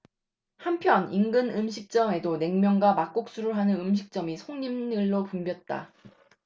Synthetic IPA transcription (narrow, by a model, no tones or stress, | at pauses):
hampʰjʌniŋɡɯnɯmɕʰik̚t͡ɕ͈ʌme̞done̞ŋmjʌŋɡwamak͈̚ok̚s͈uɾɯɭɦanɯnɯmɕ̬ʰik̚t͡ɕ͈ʌmisʰoŋɲimɯɭːopumbjʌt̚t͈a̰